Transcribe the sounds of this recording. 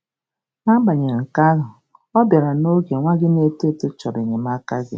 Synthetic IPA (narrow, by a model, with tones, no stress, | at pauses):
ŋa˦ba˨ɲe˨ŋ̩˨ka˦ɣʊ˨ | ɔ˦bja˨ɾa˨no˦ɡe˨ŋʷa˦ɡɪ˦ne˦te˦te˦t͡ʃɔ˨be˨ɲe˨m˦a˦ka˦ɡɪ̰˦